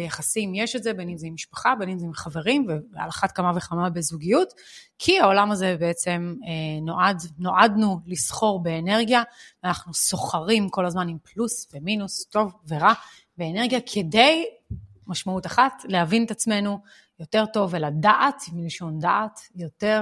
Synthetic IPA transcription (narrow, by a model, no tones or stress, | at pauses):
bejaχasimjeʃetzebenimzeimːiʃpḁχabenimzimχave̞ʁimvea̰laχatkamave̞χamabe̞zuɡijut | kʰiao̞lamaze̞beet͡se̞menoʔadno̞ʔadnulisχo̞ʁbe̞ːne̞ʁɡijaveanaχnuso̞χaʁimko̞lazmanimplusveminusto̞vve̞ʁa | beːne̞ʁɡijakʰe̞de̞j | maʃmautaχatlehavinet̪at͡sme̞nu | jo̞te̞ʁto̞veladaʔatimiliʃo̞ndaʔatjo̞te̞